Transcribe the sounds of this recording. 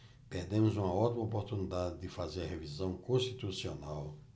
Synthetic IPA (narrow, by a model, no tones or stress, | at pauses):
peɾd̪ẽmʊzũmɐot̪imɐop̬oɾt̪unid̪ad̪ɪd̪ɪfazeɾɐɦevizɐ̃w̃kõst̪it̪usionaw